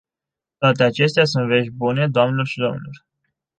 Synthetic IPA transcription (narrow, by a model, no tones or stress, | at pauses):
t̪oat̪e̞at͡ʃe̞st̪easunt̪ve̞ʃʲbune̞d̪oamnelorʃid̪o̞mnelor